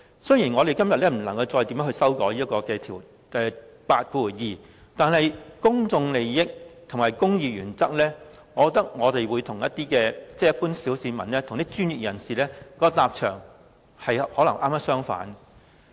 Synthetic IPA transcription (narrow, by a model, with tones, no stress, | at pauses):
sɵ˥jiː˨˩nŋɔː˨˧ɾe˨jkɐ˥mjɐ˨t̚lɛː˥m̩˨˩nlɐ˨˩ŋkɐ˧wt͡sɔː˧jt̪i˨˧˥mœː˨˥hɵ˧sɐ˥wkɔː˨˥jiː˥tkɔː˧kɛː˧t̪ʰiː˨˩w | ɛ˨˧ | paː˧t̚ku˧˨˩jiː˨ | t̪aː˨nhɐ˨jkʊ˥ŋt͡sʊ˧ŋle˨jjɪ˥k̚t̪ʰʊ˨˩ŋmaː˨˩jkʊ˥ŋjiː˨˧jɥyː˨˩nt͡sɐ˥k̚lɛː˥ | ŋɔː˨˧kɔː˧t̪ɐ˥k̚ŋɔː˨˧t̪e˨jwu˨˧jt̪ʰʊ˨˩ŋjɐ˥t̪iː˥kɛː˧t͡sɛː˥jɐ˥t̚puː˥nsiː˨˥wsiː˨˧mɐ˨˩nlɛː˥t̪ʰʊ˨˩ŋt̪i˥t͡ʃyː˥nji˨k̚jɐ˨˩nsiː˨lɛː˥kɔː˨˥kɔ˧t̪aː˧p̚t͡ʃʰœ̰ː˨˩ŋ | hɐ˨jhɔː˨˥lɐ˨˩ŋʔaː˥maː˥sœː˥ŋfa̰ː˨˥n